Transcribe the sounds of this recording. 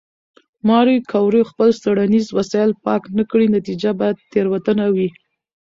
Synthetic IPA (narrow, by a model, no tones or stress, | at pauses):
mɑɾikʰawɾoxpəlst̪aɽanizwasɑjɪlpɑknakɽinat̪id͡ʒabɑjad̪̚t̪eɾwat̪ənawi